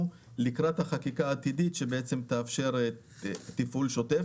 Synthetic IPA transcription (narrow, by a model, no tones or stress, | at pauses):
likʁat̪haχakikaːt̪idit̪ʃe̞beet͡semt̪aːfʃe̞ʁ | t̪ifulʃo̞te